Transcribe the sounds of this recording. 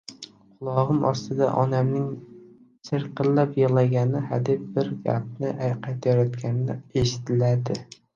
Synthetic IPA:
qʰʊlˠɒʁɨmʔɒst̪ʰɪd̪a̰ʔɒnamnɪŋ | sɨɾqɨllapjɑlˠaɡʲanɪhad̪ɪp̚bɪɾɡʲæ̰p̚nɪʔajqʰat̪jɒɾat̪kʲanɪnɪeʃɪ̥t̪ʰɪlad̪ɪ

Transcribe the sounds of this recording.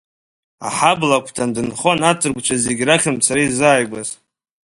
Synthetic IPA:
a̰ħablakʷʰtʰandɨnχo̞natʼʰɨrɡʷt͡ʃʷʰazeɡʲraχʲɨmt͡sʰaɾaizaːjɡʷaz

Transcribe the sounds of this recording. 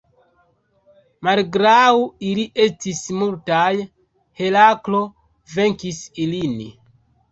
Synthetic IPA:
malɡɾawiliʔe̞stismultaj | he̞laklo̞ | ve̞ŋkisilin

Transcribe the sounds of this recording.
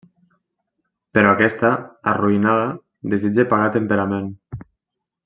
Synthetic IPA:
peɾɔakɛst̪aa̰ruinaða | ðezid͡ʒepaɣat̪empeɾamen

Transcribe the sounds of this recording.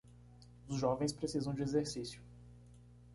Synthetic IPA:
ʊzʒɔvẽj̃spɾesizɐ̃w̃d͡ʒɪezeɾsisjʊ

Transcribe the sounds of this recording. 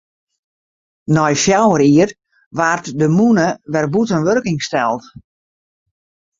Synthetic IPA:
nɔjfjawəɾiər | ʋaːrtdəmunəʋɛrbutənʋørkɪŋstɛlˠt

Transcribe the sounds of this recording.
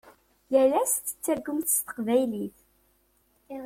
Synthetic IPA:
jælæsθə̥t͡sːəɾɡəmθst̪ə̥qvæjliθ

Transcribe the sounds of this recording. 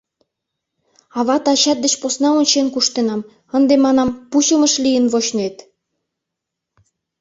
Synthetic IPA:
ɑβɑt̪ɑɕɑt̪̚d̪ə̆t͡ɕposnɑonʲt͡ɕenkuʃt̪enɑm | ə̆nd̪emɑnɑmpuɕə̆mə̆ʃlijə̆nβoɕnet̪

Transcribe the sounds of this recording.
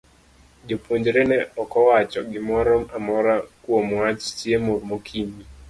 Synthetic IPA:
d͡ʒopwoɲd͡ʒɾenɛɔkɔwat͡ʃɔɡɪmɔɾɔmamɔɾakwomwat͡ʃt͡ʃjemoɾmokʰimi

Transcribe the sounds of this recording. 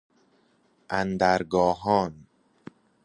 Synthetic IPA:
ʔænd̪æɾɡɒːɦɒːn

